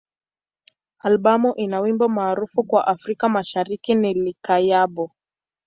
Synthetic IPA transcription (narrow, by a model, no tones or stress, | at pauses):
alɓamuʔinawimbamaːɾufukwaʔafɾikamaʃaɾikinilikajaɓɔ